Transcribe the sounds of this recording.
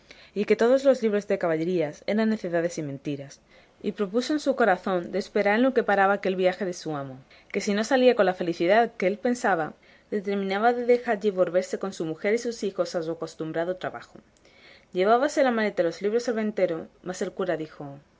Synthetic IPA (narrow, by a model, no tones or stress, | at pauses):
ike̞t̪o̞ð̞o̞zlo̞zliβ̞ɾo̞zðe̞kaβaʎe̞ɾiase̞ɾanːe̞θe̞ðað̞e̞simẽnt̪iɾas | ḭpɾo̞puso̞ensuko̞ɾaθo̞nd̪e̞ːspe̞ɾaɾenloke̞paɾaβaːke̞lβiaxe̞ðe̞suamo̞ | ke̞sino̞saliako̞nlafe̞liθiðaðkeelpe̞nsaβ̞a | ðe̞t̪e̞ɾmĩnaβaðe̞ðe̞xaɾʝiβo̞lβe̞ɾse̞ko̞nsumuxe̞ɾisusixo̞sasuako̞st̪umbɾaðot̪ɾaβaxo | ʎe̞β̞aβase̞lamale̞t̪alo̞zliβ̞ɾo̞selβẽ̞nt̪e̞ɾomase̞lkuɾaðixo̞